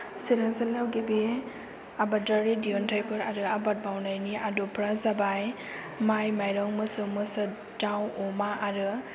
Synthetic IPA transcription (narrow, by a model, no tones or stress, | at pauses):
siɾaŋsalawɡebe | abadaɾidiɔntʰajpʰɯɾaɾɯabat̚bawnajniadupʰɾazabaj | majmajɾɔŋmɯsɯmɯsɯ | dawɔmaʔaɾɯ